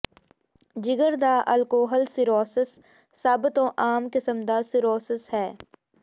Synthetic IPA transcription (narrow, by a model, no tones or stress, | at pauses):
d͡ʒɪɡəɾd̪aːʔɐlkoːɦəlsɪɾɔːsɪsː | aːbɪt̪õːʔaːmkɪsəmd̪asɪɾɔːsɪshɛː